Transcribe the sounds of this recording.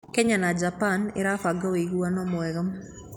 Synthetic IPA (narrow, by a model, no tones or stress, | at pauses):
kɛɲanad͡ʒapanɪ̰ɾafaɡaweɣwanɔmwɛɣəm